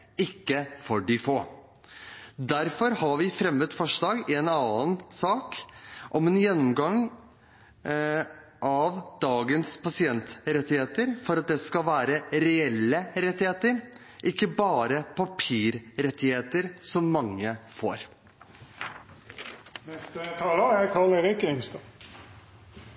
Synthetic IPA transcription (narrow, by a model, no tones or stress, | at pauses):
ɪkːəfɔɖɪfoː | d̪æɾfɔɾhɑɾʋɪfɾɛmːət̪fɔʂɭɑːɡɛnɑːənsɑːkʔɔmɛːnjɛnːɔmɡɑŋ | ʔɑʋd̪ɑːɡənspʰɑsɪɛnt̪ɾɛt̪ːɪheːt̪əɾfɔɾɑt̪̚d̪ɛskɑʋæːɾəɾɛɛlːəɾɛt̪ːɪheːt̪əɾ | ʔɪkːəbɑːɾəpʰɑpʰiːɾɾɛt̪ːɪheːt̪əɾsɔmːɑŋːəfo̰ːɾ | nɛst̪ət̪ʰɑːləækʰɑlɛɾɪkəɪŋst̪ɑ